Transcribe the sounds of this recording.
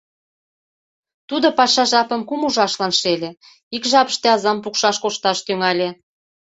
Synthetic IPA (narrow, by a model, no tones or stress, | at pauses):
t̪ud̪opɑʃɑʒɑpə̆mkumuʒɑʃlɑnʃelʲe | ikʒɑpə̥ʃt̪eɑzɑmpukʃɑʃkoʃt̪ɑʃt̪yŋɑlʲe